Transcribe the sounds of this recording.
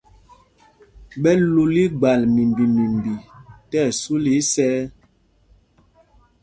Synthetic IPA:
ɓɛ˦lu˨li˦ɡ͡ba˨lmi˨mbi˨mi˨mbi˨tɛ˦˨su˦li˦sɛː˦

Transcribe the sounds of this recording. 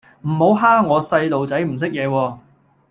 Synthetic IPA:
m̩˨˩ho˨˥wɦaː˥ŋɔː˨˧sɐ˧jt̪o˨wt͡sɐ˨˥jm̩˨˩s̬ɪ˥k̚jɛː˨˧wɔː˧

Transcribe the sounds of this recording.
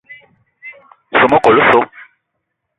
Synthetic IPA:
so˦mɔ˦kɔ˨lo˦so˦

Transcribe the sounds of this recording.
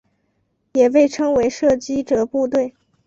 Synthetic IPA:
jɛ˨˩pe˥˩ɪʈ͡ʂʰɤ˥ŋwe˧˥ɪʂɤ˥˩t͡ɕi˥ʈ͡ʂɤ˨˩pu˥˧t̪̬we˥˩ɪ

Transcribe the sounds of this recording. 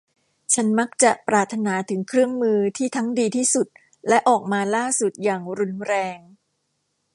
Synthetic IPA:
t͡ɕʰa˦˥nma˦˥k̚t͡ɕa˨˩ʔpɾaː˨˩t̪ʰːa˧naː˩˦t̪ʰɯ˩˦ŋkʰɾɯ˥˩əŋmɯː˧t̪ʰiː˥˩t̪ʰa˦˥ŋdiː˧t̪ʰiː˥˩su˨˩t̪̚ | lɛ˦˥ʔɔː˨˩k̚maː˧laː˥˩su˨˩t̪̚jaː˨˩ŋɾu˧˥nɾɛː˧ŋ

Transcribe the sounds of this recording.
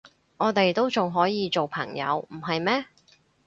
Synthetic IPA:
ŋɔː˨˧t̪e˨jt̪o˥wt͡sʊ˨ŋɦɔː˨˥jiː˨˧t͡ʃo˨wpʰɐ˨˩ŋjɐ̰˨˧wm̩˨˩ɦɐ˨jmɛː˥

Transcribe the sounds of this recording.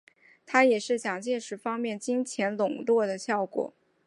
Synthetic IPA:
t̪ʰa˥jɛ˨˩ʂɻ̩˥˩t͡ɕjɑ˨˩ŋt͡ɕjɛ˥˩nʂɻ̩˧˥fɑ˥ŋmjɛ˥˩nt͡ɕi˥ŋt͡ɕʰjɛ˧˥nlʊ˨˩ŋlwɔ˥˩d̪ə˩ɕjɑ˥˩ʊkwɔ̰˨˩˦

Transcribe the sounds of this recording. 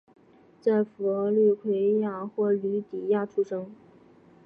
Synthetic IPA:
t͡sa˥˩ɪfɔ˧˥˧ly˥˧kʰwe˥ɪja˥˧xwɔ˥˩ly˧˥t̪i˨˩ja˥˩ʈ͡ʂʰu˥ʂɤ˥ŋ

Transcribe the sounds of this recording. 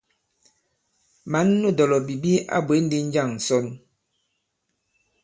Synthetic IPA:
ma˨˦nːu˦˨dɔ˨lɔ˨bi˨bi˦a̰˦bwe˨˦n̩˦di˦n̩˦d͡ʒa˦˨ŋn̩˨sɔ˦n

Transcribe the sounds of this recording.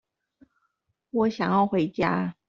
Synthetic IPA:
wɔ˨˦˥ɕjɑ˨˩ŋjɑ˥˩ʊxwe˧˥˦ɪt͡ɕja̰˥

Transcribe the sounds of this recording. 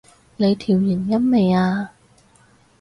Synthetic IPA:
le˨˧jt̪ʰiː˨˩wji˨˩njɐ˥nme˨˧jaː˧

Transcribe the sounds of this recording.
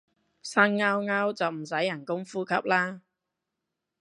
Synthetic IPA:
sa˧˥nŋaː˧wŋaː˥wt͡sɐ˨wm̩˨˩sɐ˨˥jːɐ˨˩nkʊ˥ŋfuː˥kʰɐ˨˥p̚laː˥

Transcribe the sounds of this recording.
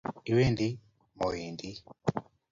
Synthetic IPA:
i˨˦we˦˨ndi˦ | mɔ˨ji˨ndi˦

